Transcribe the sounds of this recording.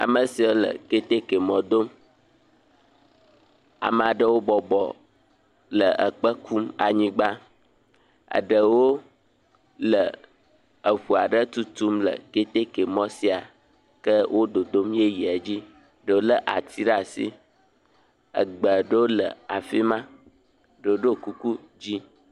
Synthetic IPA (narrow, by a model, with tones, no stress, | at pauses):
a̰˨mə˨si˨wo˦lə̰˨ke˦t̪e˦ke˨mɔ̃˨d̪o˦m | a̰˨m˨a˨ɖə˦wo˦bɔ˨bɔ˨ | lə˨ʔə̰˨k͡pə˦kʰu˦ma̰˨ɲĩ˦ɡ͡ba˦ | ə̰˨ɖə˨wo˦ | lə˨ | ə˨ɸu˨a˨ɖə˦t̪u˦t̪u˦mlə̰˨ɡe˦t̪e˦ke˨mɔ̃˦si˦a˨ | kə˦wʔo˦d̪o˨d̪o˦mje˦ji˨a˨d͡ʑi˦ | ɖə˨wo˦lə˦ʔa̰˨t̪ʰi˦ɾa˨sḭ˦ | ə̰˨ɡ͡bə˨ɖə˦wo˦lə̰˨a˨fi˦mã˦ | ɖə˨wo˦ɖo˦˨ku˦ku˦ | d͡ʑi˦